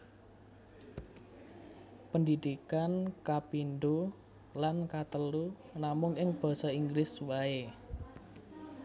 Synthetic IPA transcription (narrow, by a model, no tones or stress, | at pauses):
pəndid̪̥ikankapinɖ̪u | lankat̪əlu | namʊŋɪŋb̥ɔ̤sɔiŋɡɾɪswae